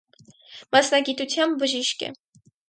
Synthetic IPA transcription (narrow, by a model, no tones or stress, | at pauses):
mɑsnɑɡit̪ut͡sʰjɑmbəʒiʃkɛ̰